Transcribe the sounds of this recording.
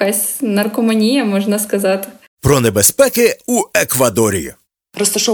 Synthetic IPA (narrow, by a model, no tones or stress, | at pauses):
kasʲnɐrkɔmɐnʲijɐmɔʒnɐskɐzɑt̪ɪ̥ | pɾɔnɛbɛspɛkɪuɛkʋɐd̪ɔɾʲḭjṵ | ɾɔst̪ɐʃɔ